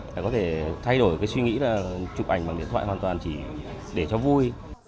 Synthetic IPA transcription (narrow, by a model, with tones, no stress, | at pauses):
laː˨˩kɔ˨˦t̪ʰe˧˩t̪ʰa˧jɗo˧˩jkaː˨˦jswi˧ŋḭ˧˥laː˨˩t͡ɕʊ˨˩ʔa̰˧˩jŋ̟ɓaː˨˩ŋḭ˧˨nt̪ʰa̰ː˧˨hwaː˨˩nt̪waː˨˩nt͡ɕi˧˩ | ɗe˧˩t͡ɕɔ˧vu˧j